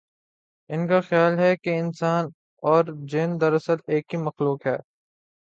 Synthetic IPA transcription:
ɪnkaxjaːlɦɛkeɪnsaːn | ɔːɾd͡ʒɪːnd̪ɐɾɐsəleːkɦimɐxluːkɦɛː

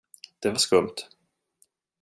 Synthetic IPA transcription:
d̪̥ɛvaʂkɵmt̪

